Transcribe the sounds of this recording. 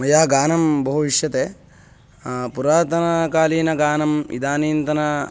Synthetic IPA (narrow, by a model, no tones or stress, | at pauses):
mɐjɐːɐɡaːnɐmbɐɦuʋiʂjɐt̪eː | puɾaːt̪ɐnɐkaːliːnɐɡaːnɐmḭd̪aːniːnt̪ɐnɐ